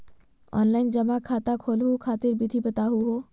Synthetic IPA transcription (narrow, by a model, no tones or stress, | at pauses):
ɔ̰ːnlaɪnd͡ʒəmãkʰaːt̪akʰoːlɦukʰaːt̪iɾbit̪ʰibɐt̪aɦuɦo